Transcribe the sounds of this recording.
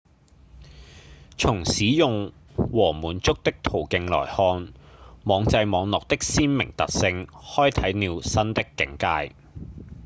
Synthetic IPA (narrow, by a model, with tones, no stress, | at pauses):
t͡sʰʊ˨˩ŋsiː˨˥jʊ˨ŋ | wɔː˨˩muː˨˩nt͡sʊ˥k̚t̪ɪ˥k̚t̪ʰo˨˩wkɪ˧ŋlɔ̰ː˨˩jhɔː˧nmɔː˨˧ŋt͡sɐ˧jmɔː˨˧ŋlɔː˨k̚t̪ɪ˥k̚siː˥nmɪ̰˨˩ŋt̪ɐ˨t̚sɪ˧ŋhɔː˥jt̪ʰɐ˨˥jniː˨˧wsɐ˥nt̪ɪ˥kːɪ˨˥ŋkaː˧j